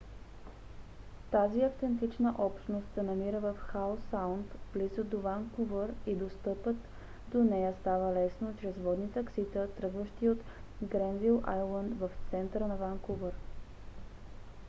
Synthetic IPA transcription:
t̪aziɐft̪ɛnt̪it͡ʃnəʔɔpʃt̪nost̪sɛnɐmiɾəvəfxaosawnt̪vlizəd̪ovaŋkuvəɾid̪ost̪ɤpət̪ | d̪onɛjəst̪avəlɛsnot͡ʃɾɛzvɔd̪nit̪əksit̪ət̪ɾɤɡvəʃt̪iot̪ɡɾɛnvilˠʔajlˠənd̪vɐft̪sɛnt̪ɾənɐvaŋkuvəɾ

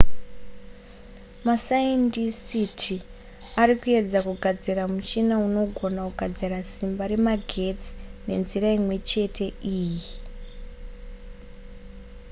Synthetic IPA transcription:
masaendisitʰi | aɾikue̞d͡zakuɡʱad͡ziramut͡ʃinauno̞ɡʱo̞nakuɡʱad͡zirasimbaɾe̞maɡʱe̞t͡si̥ne̞̰nziraimwe̞t͡ʃe̞tʰe̞ʔiːji

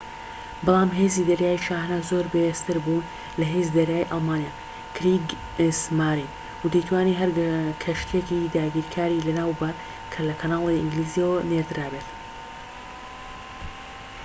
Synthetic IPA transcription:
bɑlˠaːmɦeːzid̪ɐɾjaːjiʃaːhnazoːɾbejest̪ɨɾbun | lɐɦeːzid̪ɐɾjaːjʔɑlˠmaːnijaː | kʰɾiɡ | smaːɾin | wud̪ijt̪ʰwaːniɦɐɾkʰɐʃt̪ʰekid̪aːɡiːɾkʰaːɾilɐnaːwbɐɾ | kʰɐlɐkʰɐnaːlˠeɪŋɡliːzioneɾd̪ɨɾaːbet̪

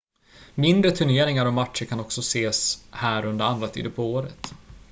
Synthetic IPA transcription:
mɪnd̪ɾət̪ʰɵɳeːɾɪŋaɾɔmaʈʂəɾkʰanɔksɔseːshæːɾɵnd̪əɾand̪ɾat̪ʰḭːd̪əpʰɔoːɾə̰t̪

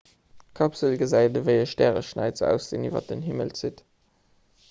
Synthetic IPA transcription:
kʰɑpsəlɡəzæɪdəvəɪəʃtæːʁəʃnæ̰ɪt͡səæ̰ʊsz̥eːniːvɐ̰t̚dənɦimə̰lt͡sit

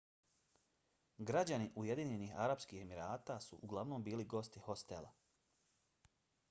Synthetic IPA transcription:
ɡɾad͡ʑaniʔuje̞d̪iːɲenixaɾapskiːhe̞miɾaːt̪aːsṵʔuɡlˠaʋno̞ːmbiːliɡo̞st̪iho̞st̪ela̰

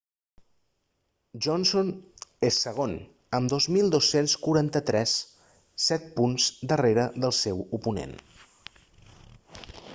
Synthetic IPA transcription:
ʒɔnsonesəɣ̞on | əmd̪ozmilˠd̪osenskuɾant̪ət̪ɾɛsː | ɛt̪̚punzd̪əreɾəðəlˠsɛwupunḛn

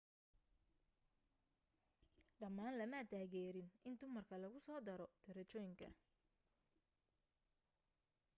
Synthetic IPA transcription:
ɖɐmːaːnlɐmɐd̪ʰaːɣɛːɾɪnɪnd̪ʊmɐrkʰɐlɐɣʊsɔːd̪ɐɾɔd̪̥ɐɾɐt͡ʃɔːjɪŋkʰɐ̰

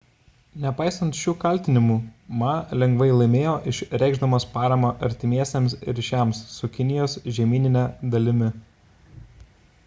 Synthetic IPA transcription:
nʲɛpɑˑɪsɐnt̪ʃʲuːkɐlʲt̪ʲɪnʲɪmuːmɑlʲɛŋɡʋɐɪlˠɐɪmʲeːjoːʔɪʃɾʲɛˑɪɡʒd̪ɐmoːspɑːɾɐmɐʔɐ̰ɾʲt̪ʲɪmʲiɛsʲemsɾʲʃʲæˑmssʊkʲɪnʲɪjoːsʒʲɛmʲiːnʲɪnʲɛd̪ɐlʲɪmʲɪ

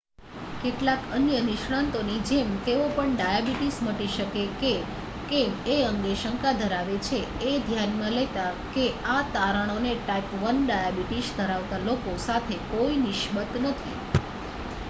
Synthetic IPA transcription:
keʈlakənjənɪʃɽant̪onid͡ʒemt̪eʋopəɳɖajabiʈisməʈiʃəkeke | kemeəŋɡeʃəŋkad̪ʱəɾaʋet͡ʃʰeed̪ʱjanmãlet̪akeat̪aɾəɽ̃oneʈaipʋənɖajabiʈiʃd̪ʱəɾaʋt̪alokosat̪ʰekoinɪʃbət̪nət̪ʰḭ

